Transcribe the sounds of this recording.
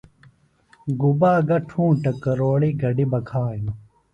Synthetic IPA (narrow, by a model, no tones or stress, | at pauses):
ɡubaːɡɐʈʰũːʈɐkɐɾoːɭiɡɐɖibɐkʰaːj